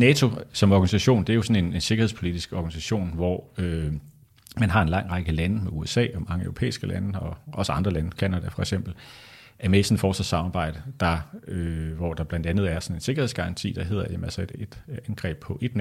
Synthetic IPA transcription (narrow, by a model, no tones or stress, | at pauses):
nɛːt͡sʰo̝sɒ̽mɒɡ̥ænisæɕo̝̰ːnd̥e̝æjo̝sɒ̽ne̝ne̝nse̝ɡ̥ɐhepʰo̝lid̥isɡ̥ɒɡ̥ænisæɕo̝̰ːnʋɒø | mænɦɑ̈enlɑ̈ŋ̰ʁɑɡ̥əlænəmeuesɛ̰ːɒ̽mɑ̈ŋəøʊʁopʰḛːisɡ̥əlʔænəɒ̽ʔɒ̽səɑ̈nd̥ʁɐlænəkʰænæd̥æfɒeɡ̥sem̰b̥l̩ | æɐmesɒnfɒːslɒsɑ̈mɑ̈ːb̥ɑ̈ɪ̰d̥əd̥ɑ̈øʋɒd̥ɑ̈b̥lænd̥ænð̞̩ˠæɐsɒ̽ne̝nse̝ɡ̥ɐhe̝ðˠsɡ̥ɑ̈ʁɑ̈nt͡sʰḭːd̥ɑ̈ɦe̝ð̞̰ˠɐjæmælsɐed̥ed̥ænɡ̥ʁɛ̰ːb̥̚pʰɒ̽ʔe̝d̥n